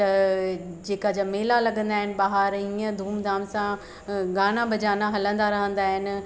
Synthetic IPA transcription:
t̪ɐ | d͡ʑeːkad͡ʑameːlalɐɠə̃nd̪aːɦɪnɪ̆ɓaːɦəɾiə̃d̪ʱuːmd̪aːmsã | ɡaːñabɐd͡ʑaːnaɦɐlə̃nd̪aɾɐɦə̃nd̪aːɦɪnɪ̆

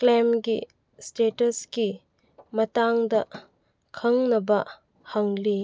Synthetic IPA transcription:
klemɡi | stetɐski | mɐtaŋdɐ | kʰɐŋnɐbɐ | hɐŋli

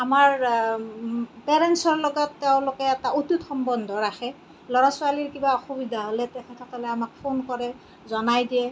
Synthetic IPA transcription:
amaɹ | pɛɹɛnsɔɹlɔɡɔtːɛʊ̃lʊkɛɛtaututxɔmbɔndʱɔɹaxɛ | lɔɹasʊaliɹkibaɔxubidʱaɦolɛtɛkʰɛtʰakalɛamak̚pʰonkɔɹɛ | zɔnajdiɛ

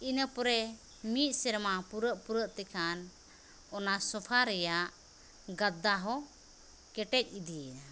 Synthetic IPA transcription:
inəpɔɾɛ | mit̪̚sɛɾmapuɾəʔpuɾəʔt̪ɛkʰan | ɔnasɔpʰaɾɛjaʔ | ɡad̪ːaɦɔ | kɛʈɛc̚ˀid̪ijɛna

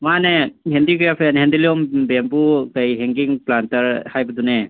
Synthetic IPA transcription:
manehendikɾapʰenɦendiliɔmbempukɐjɦeŋɡiŋplantɐɾhajbɐdune

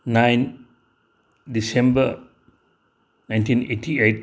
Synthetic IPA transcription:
najn | disembə | najntinetʰiet̚

